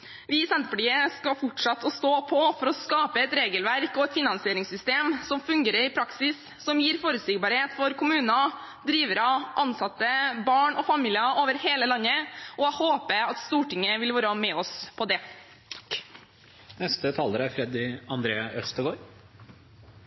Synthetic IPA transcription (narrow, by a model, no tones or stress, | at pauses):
ʋɪsɛnt̪əpʈiːəskɑfʊʈʂɑt̪ʰːɔst̪oːpʰɔfɔɾɔskɑːpəɛt̪ɾeːɡəlʋæɾkɔɛt̪fɪnɑnsɪeːɾɪŋsʏst̪eːmsɔmfʉŋɡeːɾəɾɪpʰɾɑksɪsːɔmjiːɾfoːɾʉsɪːɡbɑːɾheːt̪fɔɾkʰʊmʉːnɑ | d̪ɾiːʋəɾɑʔɑnsɑt̪ːəbɑːɳɔfɑmiːlɪəoːʋəɾheːləlɑnːəɔæhoːpəɑt̪st̪uːʈɪŋːəʋɪlʋoːɾɑmɛɔspʰɔd̪ɛ | nɛst̪ət̪ʰɑːləɾæfɾɛd̪ɪɑnd̪ɾeːəʔœst̪əbɔɾ